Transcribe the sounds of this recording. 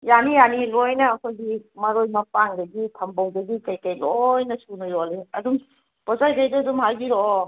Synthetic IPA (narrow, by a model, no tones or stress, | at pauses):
janijanilojnɐːkʰojɡimɐɾojmɐpaŋdɐɡitʰɐmbawdɐɡikajkajlojnɐsunojɔleɐdum | pɔzajɡajdaːdumhajbiɾɔ